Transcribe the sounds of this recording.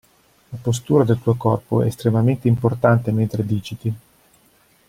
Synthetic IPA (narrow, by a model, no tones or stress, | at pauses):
lapos̬t̪uːɾad̪elt̪uokɔrpoɛ̰st̪ɾemament̪eimport̪ant̪ement̪ɾed̪iːt͡ʃit̪i